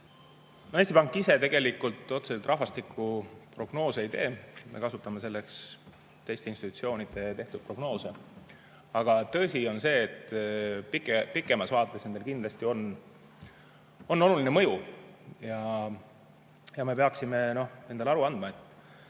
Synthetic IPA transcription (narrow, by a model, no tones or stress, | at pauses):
nohest̪ipɑŋkːˑise̞t̪e̞ɡ̥e̞likːult̪ːˑo̞t̪seselt̪rʔɑɦvɑst̪ikʰːˑupro̞ɡ̥no̞ːseejt̪e̞ːmʔe̞̰kɑsut̪ːˑɑme̞s̬e̞lːe̞ks | t̪ːe̞jst̪e̞inst̪it̪ːu̥t̪sio̞ːnid̪̥e̞t̪e̞ht̪ud̪̥̚pro̞ɡ̥no̞ːse̞ | ɑɡ̥ɑt̪ɤsʲio̞nse̞ːt̪ːpikˑepikːˑemɑsvɑːt̪ːˑe̞sne̞nd̪e̞lkind̪lɑst̪io̞n | o̞nːo̞luline̞mɤ̞jujɑ | jɑme̞pe̞ɑksime̞no̞hne̞nd̪elɑɾuɑnd̪̥mɑe̞t̪ˑ